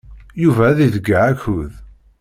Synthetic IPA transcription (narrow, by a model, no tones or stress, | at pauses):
juvæðiðəɡaʕæçʊð